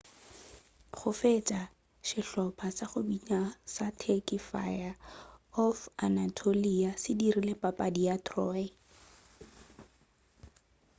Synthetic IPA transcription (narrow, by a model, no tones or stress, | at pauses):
χʊfet͡ʃʼa | ʃɪɬɔpʰasaχʊbiɲasatʰekifa̰jaɔfanatʰoliasɪdirilepʼapʼadiatʰrɔːɪ